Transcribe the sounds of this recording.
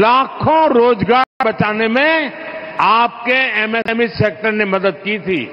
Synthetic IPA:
laːkʰõɾoːd͡ʒɡaːbɐt͡ʃaːnemẽ | aːp̚keɛːmɛmiseːk̚ʈəɾnemɐd̪əd̪̚kit̪ʰḭː

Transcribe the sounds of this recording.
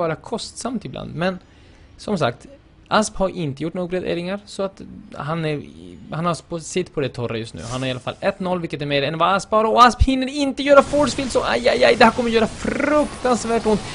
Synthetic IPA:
ɑːɾakʰɔst̪samt̪ɪbla̰nd̪mɛn | sɔmsa̰kt̪ | ʔasphaɾʔɪnt̪əjʊʈːnoːɡɾɛd̪ḛːɾɪŋaɾsɔat̪ɦanæɾhanhapʰɔsɪt̪ːpʰɔd̪ɛt̪ʰɔɾa̰jɵst̪nʉ̰ːhanhaɾɪalafa̰lːɛt̪nɔlːvɪlkːət̪æɾmeːɾɛnvaaspbɑːɾaɔasphɪnːəɾɪnt̪əjœːɾafɔʈsfɪlsɔʔa̰jajajd̪ɛhæɾkʰɔmːəɾjœːɾafɾɵkt̪ansvæːʈʊnt̪

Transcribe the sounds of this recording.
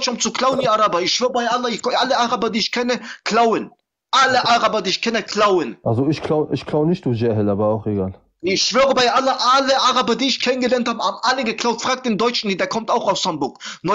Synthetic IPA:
t͡ʃɔmt͡sukʰl̥aʊəndiʔaʁabɐɪçʃv̥øːʁəbaɪʔalɐɪʔaləʔaʁabɐdiːɪçkʰɛnəkʰl̥aʊən | ʔaləʔaʁabɐdiːɪçkʰɛnəkʰlaʊənʔalzoɪçkʰlaʊəʔɪçkʰlaʊnɪçt̚duːzɛɦəlaːbɐaʊxeɡaːl | ɪçʃv̥øːʁəbaɪʔalɐʔaləʔaʁabɐdiːɪçkʰɛnənɡəlɛɐnthaːbəhaːbm̩ʔaləɡəkʰl̥aʊtfʁ̥aːk̚td̥ɪːndɔʏt͡ʃn̩ideːɐkʰɔmtaʊxaʊshambʊɐknɔ

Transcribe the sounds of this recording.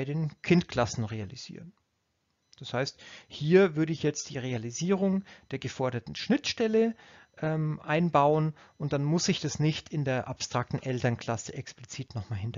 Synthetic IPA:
ɪdeːnkʰɪntkʰl̥asn̩ʁealḭz̥ḭːʁən | d̥ashaɪsthiːɐvʏɐɾəɪçjɛt͡std̥iːʁealiziːʁʊŋd̥eːɐɡəfɔɐɾɐtn̩ʃnɪtʃtɛləʔɛːmʔaɪnbaʊən | ʔʊnt̚d̥anmʊsɪçd̥asnɪçtʰɪndeːɐʔapstʁ̥ak̚tn̩ʔɛltɐnkʰl̥asəʔɛkspl̥ɪt͡siːtnɔχmaːlɦɪnt

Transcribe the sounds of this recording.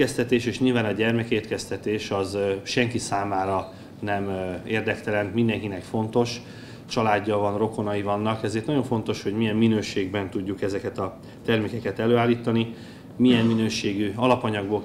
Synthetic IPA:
ɛst̪ɛt̪eːʃeːʃɲilvaːnɒɟɛrmɛkeːt̪kɛst̪ɛt̪eːʃɒzʃɛŋkisaːmaːɾɒ | nɛmeːrd̪ɛkt̪ɛlɛnt̪mind̪ɛŋkinɛkfo̞nt̪o̞ʃ | t͡ʃɒlaːɟːɒvɒnro̞ko̞nɒjivɒnːɒkɛzeːrt̪ɒjo̞ɱfo̞nt̪o̞ʃho̞ɟmijɛmːinøːʃeːɡbɛnt̪uɟːukɛzɛkɛt̪ɒ | t̪ɛrmeːkɛkɛt̪ɛløːaːlːiːt̪ɒni | mijɛmːinøːʃeːɡyɒlɒpɒɲɒɡboː

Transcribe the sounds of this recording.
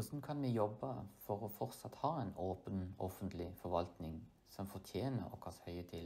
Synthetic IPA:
sn̩kʰɑnʋɛjɔbːəfɔʁɔfɔʁt̪sɑt̪hɑːɛnoːpənɔ̰fənt̪ʰlɪfɔɾʋɑlt̪nɪŋ | sɔmfɔʁt̪ʰjeːnə̰ʁɔ̰kʰɑshœʏət̪ʰɪl

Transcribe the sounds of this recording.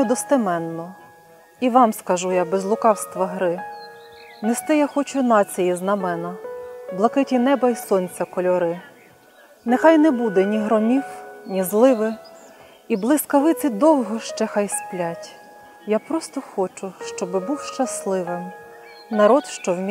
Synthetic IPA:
ɛd̪ɔst̪emɛnːɔ | iʋɑmskɐʒujɑbezlˠʊkɑwst̪ʋɐɦɾɪ | nest̪ɪjaxɔt͡ʃʊnɑt͡sʲijiznɐmɛnɐblˠɐkɪtʲɪnɛbɐisɔnʲt͡sʲɐkɔlʲɔɾɪ | nɛxɑjnɛbud̪ɛnʲiɦɾɔmʲiwnʲizlˠɪʋɪ | iblˠɪskɐʋɪt̪sʲɪd̪ɔwɦɔʃt͡ʃɛxɑjsplʲatʲ | japɾɔst̪ɔxɔt͡ʃʊʃt͡ʃɔbɪbuwʃt͡ʃɐslˠɪʋɪm | nɐɾɔd̪ʃt͡ʃɔwmʲ

